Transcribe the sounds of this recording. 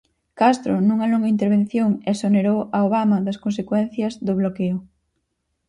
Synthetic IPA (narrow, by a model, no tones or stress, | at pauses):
kast̪ɾonuŋɐloŋɡɐint̪eɾβẽn̟θjoŋesoneɾowaoβ̞amɐðɐskõnsekwɛn̟θjɐzðʊβ̞lokeʊ